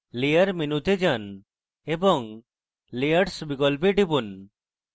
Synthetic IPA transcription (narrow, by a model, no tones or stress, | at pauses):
lijəɾminut̪ed͡ʒan | ebɔŋ | lijəɾsbikɔlp̬eʈipun